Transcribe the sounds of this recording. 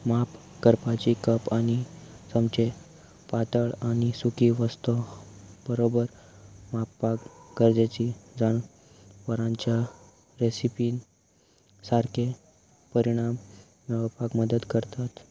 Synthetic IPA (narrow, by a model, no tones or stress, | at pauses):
map | kəɾpat͡ɕikəpaɽ̃isəmt͡ɕe | pat̪əɭaɽ̃isukiʋəst̪ɔbəɾobəɾ | mapːakɡəɾd͡ʑet͡ɕid͡zaɳ | ʋəɾãɲt͡ɕja | ɾesipiːn | saɾkʰe | pəɾiɽ̃am | nəʋəpakməd̪əd̪kəɾt̪at̪